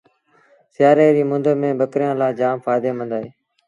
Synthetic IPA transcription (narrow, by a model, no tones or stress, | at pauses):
sɪjaːɾeːɾiːmʊ̃nd̪əmẽːbəkɾɪjãːlaːd͡ʒaːmfaːd̪eːmə̃nd̪aːɦeː